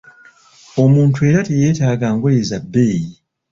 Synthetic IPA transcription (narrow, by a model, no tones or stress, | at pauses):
o̞muːntue̞ːɾateje̞ːtaːɡaːŋɡolezabːe̞ji